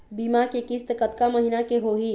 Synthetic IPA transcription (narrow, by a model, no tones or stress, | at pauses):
biːmakekist̪kət̪kaməɦinakeɦoːɦi